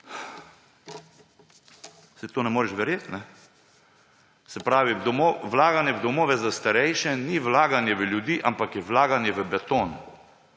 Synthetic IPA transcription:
sit̪oːnɛmoːɾɛʃʋɛɾjeːt̪nɛ | sɛpɾaːʋid̪ɔmoʋlaːɡanjɛʋd̪ɔmoːʋɛzast̪aɾɛjʃɛniʋlaːɡanjɛʋəljud̪iːʔampakjɛʋlaːɡanjɛʋəbɛt̪oːn

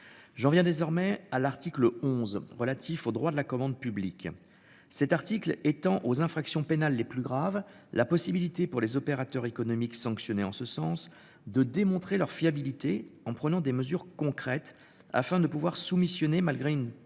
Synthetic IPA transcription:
ʒɑ̃vjɛ̃d̪ezɔʁmɛalaʁt̪ikləɔ̃zʁəlat̪ʰifod̪ʁwad̪əlakɔmɑ̃d̪pyblik | sɛt̪aʁt̪iklet̪ɑ̃ʔozɛ̃fχaksjɔ̃penalːeplyɡʁav | lʔapɔsibilit̪epuʁlezɔpeʁat̪œʁekɔnɔmiksɑ̃ksjɔneɑ̃səsɑ̃s | d̪əd̪emɔ̃t̪χelœʁfiabilit̪eɑ̃pχənɑ̃d̪eməzyʁkɔ̃kχɛt̪ | a̰fɛ̃d̪əpuvwaʁsumisjɔnemalɡʁeyn

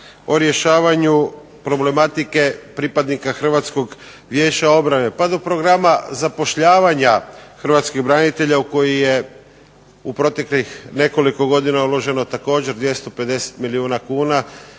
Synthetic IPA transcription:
o̞ɾje̞ʃaːʋaɲu | pɾo̞ble̞mat̪ike̞pɾipad̪nikaxr̩ʋat̪sko̞ɡ | ʋje̞ːt͡ɕao̞bɾane̞pad̪o̞pɾo̞ɡɾamazapo̞ʃʎaːʋaɲaxr̩ʋat̪skiɣbɾanit̪e̞ʎauko̞jije̞ | upɾo̞t̪e̞klixne̞ko̞liko̞ɡo̞d̪inaulˠo̞ʒe̞no̞t̪ako̞ːd͡ʑe̞ɾd̪ʋje̞st̪o̞pe̞d̪e̞se̥t̪miliuːnakuːna

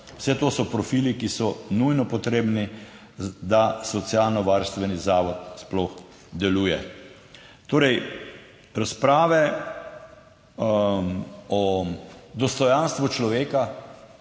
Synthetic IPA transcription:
wsɛt̪oːsɔpɾɔfiːlikisɔnujnɔpɔt̪ɾeːbni | d̪asɔt̪sialnɔʋaɾst̪ʋɛnizaːʋɔt̪splɔx | d̪ɛluːjɛ | t̪oːɾɛj | ɾaspɾaːʋɛ | mɔ | d̪ɔst̪ɔjanst̪ʋut͡ʃlɔʋeːka

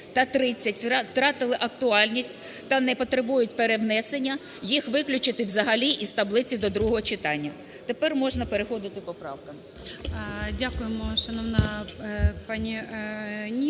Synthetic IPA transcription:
t̪ɐt̪ɾɪt͡sʲːɐtʲt̪ɾɑt̪ɪlˠɪʔɐkt̪ʊɑlʲnʲisʲtʲt̪ɐnɛpɔt̪ɾebujʊtʲpeɾewnɛsenʲːɐ | jixʋɪklʲʊt͡ʃɪt̪ɪʋzɐɦɐlʲiʔizt̪ɐblˠɪt͡sʲid̪ɔd̪ɾuɦɔɦɔt͡ʃɪt̪ɑnʲːɐ | t̪epɛrmɔʒnɐpeɾexɔd̪ɪt̪ɪpɔpɾɑwkɐm | dʲakʊjemɔʃɐnɔʋnɑ | pɑnʲi | nʲi

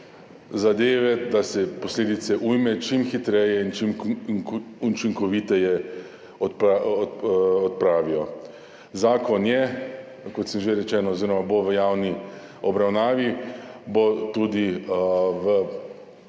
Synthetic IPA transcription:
zad̪eːʋɛd̪asɛpɔsleːd̪it̪sɛʔujmɛt͡ʃimxit̪ɾɛjɛint͡ʃim | ut͡ʃiŋkɔʋit̪ɛjɛ | ɔpa | ɔt̪̚pɾaːʋiɔ | zaːkɔnjɛ | kɔt̪səmʒeɾɛt͡ʃɛːnɔːziːɾɔmaboʋəjaːwni | ɔbɾawnaːʋibot̪ud̪i | ʋə

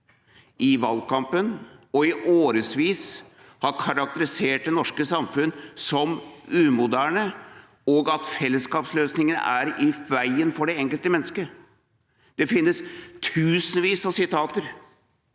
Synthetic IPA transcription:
ʔɪʋɑlkɑmpənɔɪʔoːɾəsʋiːs | hɑɾkʰɑɾɑk̚t̪əɾɪseːʈ̚d̪ɛnɔʂkəsɑmfʉnsɔmʉːmʊd̪æːɳə | ɔɡɑt̪fɛlːəskɑːpsløːsnɪŋənə̰æɾɪʋæɪənfɔɖɛɛŋkəlt̪əmɛnːəskə | d̪̥ɛfɪnːəst̪ʰʉːsən̩ʋiːsɑʋsɪt̪ʰɑːt̪əɾ

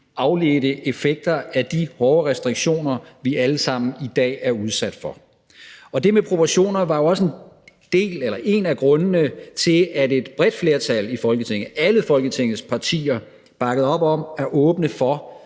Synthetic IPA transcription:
ɑ̈ʊle̝ːd̥əʔe̝feɡ̥̚d̥ɐæd̥ihɒːʁɛsd̥ʁiɡ̥ɕo̝̰ːnɐʋiʔæləsɑ̈m̰n̩id̥ɛ̰ːæɐuð̞ˠsæd̥fɒ̽ | ɒ̽d̥e̝mepʰʁo̝pʰɒɕo̝̰ːnɐʋɑ̈jo̝ɒ̽sen | d̥e̝̰ːlelɐʔe̝næɡ̥ʁɔ̽nənət͡sʰe̝læded̥b̥ʁɛd̥fle̝ɐt͡sʰæl̰ifɒ̽lɡ̥ət͡sʰe̝ŋ̰ð̩ˠæləfɒ̽lɡ̥ət͡sʰe̝ŋ̰ð̩ˠspʰɑ̈t͡sʰḭːɐ | b̥ɑ̈ɡ̥əð̩ˠɒ̽b̥ɒ̽mæɐʔɔ̽ːb̥nəfɒ̽

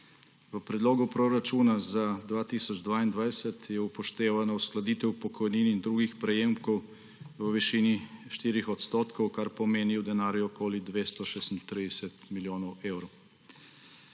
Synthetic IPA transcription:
ʋəpɾɛd̪loːɡupɾoɾat͡ʃuːnazad̪ʋaːt̪iːsɔd͡ʒd̪ʋaːind̪ʋajsɛt̪jɛupɔʃt̪eːʋanausklad̪iːt̪ɛupɔkʰɔjniːniːnd̪ɾuːɡixpɾɛjeːmkɔw | ʋəʋiʃiːniʃt̪iːɾixɔt̪st̪oːt̪kɔwkaɾpɔmeːniwd̪ɛnaːɾjuɔkoːlid̪ʋeːst̪ɔʃesnt̪ɾiːd̪ɛsɛt̪miljoːnɔwɛːwɾɔ

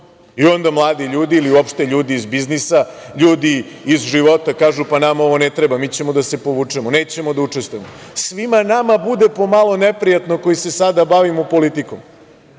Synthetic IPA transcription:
io̞nd̪amlˠaːd̪iʎuːd̪iːliuopʃt̪e̞ʎuːd̪iːzbiznisa | ʎuːd̪iː | zʒiʋo̞t̪akaːʒupanamao̞ʋo̞net̪ɾebamiːt͡ɕe̞mo̞d̪ase̞po̞ʋuːt͡ʂemoneːt͡ɕe̞mo̞d̪aut͡ʂest̪uemosʋimanamabud̪e̞po̞malˠo̞nepɾijat̪noko̞jise̞sad̪abaʋimupo̞lit̪ikom

